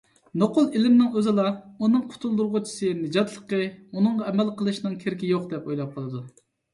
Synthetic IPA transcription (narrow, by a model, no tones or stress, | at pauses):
noqʊlˠilɪmnɪŋøzɪlˠɑunɨŋqʰʊ̥t̪ʰulˠd̪uɾʁʊt͡ʃʰi̥sɨnɨd͡ʒɑt̪lˠəqəunɨŋʁɑɛmɛlqəlˠɨʃnɨŋkʲʰeɾkʲijoqd̪ɛpojlˠɑp̚qʰəlˠɨd̪u